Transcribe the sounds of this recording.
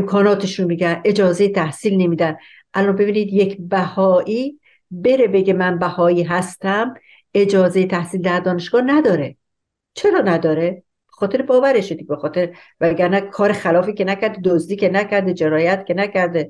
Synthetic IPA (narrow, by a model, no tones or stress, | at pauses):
emkʰɒːnɒːt̪ʰeʃunmiɟænʔe̞d͡ʒɒːzejet̪ʰæhsiːlne̞miːd̪æn | ʔælɒːnbe̞biːniːd̪jekʰbæhɒːʔiː | be̞ɾe̞be̞ɡemænbæhɒːiːɦæst̪æm | ed͡ʒɒːzejet̪ʰæhsiːld̪æɾd̪ɒːne̞ʃɡ̥ɒːhnæd̪ɒːɾe | t͡ʃʰe̞ɾɒːnæd̪ɒːɾe | b̥exɒːt̪ʰe̞ɾebɒːvæɾeʃed̪iɡʲebexɒːt̪ʰeɾ | væɡæɾnækʰɒːɾexælɒːfiːcenæcʰæɾd̪ed̪ozd̪iːkʰenæcʰæɾd̪ed͡ʒe̞ɾɒːjæt̪cʰenæcʰæɾd̪e